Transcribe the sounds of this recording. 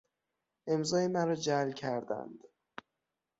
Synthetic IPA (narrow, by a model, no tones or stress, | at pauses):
ʔe̞mzɒːjemæɾɒːd͡ʒælcʲʰæɾd̪æ̰nd̪̥